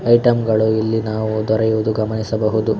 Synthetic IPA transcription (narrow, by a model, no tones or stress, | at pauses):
ɐjʈɐmɡɐɭuilːinaːʋud̪ɔɾɐjuːd̪uɡɐmɐnisɐbɐɦud̪u